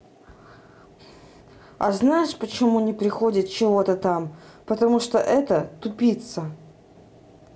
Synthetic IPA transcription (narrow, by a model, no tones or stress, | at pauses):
ɐ̰znajɪʂpət͡ɕɪmunʲɪpɾʲɪxodʲɪt̪̚t͡ɕɪvot̪ət̪ampət̪ɐmuʂt̪oʔɛt̪ət̪ʊpʲit̪sə